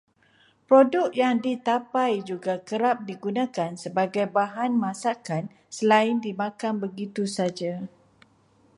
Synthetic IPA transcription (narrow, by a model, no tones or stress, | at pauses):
pɾodʊk̚jaŋdit̪apajd͡ʒuɡakəɾap̚diɡunãkansəbaɡajbaɦanmãsakan | səlaɪndimãkanbəɡit̪usad͡ʒa